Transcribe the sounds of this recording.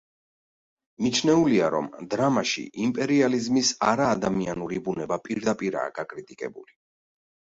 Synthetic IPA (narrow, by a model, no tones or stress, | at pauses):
mit͡ʃʰnɛuliaɾɔ̰md̪ɾamaʃḭʔimpʼɛɾializmisaɾaːd̪amianuɾibunɛbapʼiɾd̪apʼiɾa̰ːɡ̥akʼɾit̪ʼikʼɛ̰buli